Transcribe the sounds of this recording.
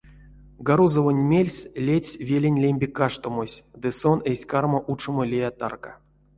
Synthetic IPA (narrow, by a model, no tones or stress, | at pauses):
ɡaɾuzovonʲmʲelʲsʲlʲesʲvʲelʲenʲlʲemʲbʲekaʂt̪omosʲd̪ɨsonesʲkarmoʔut͡ʃomolʲejat̪a̰rka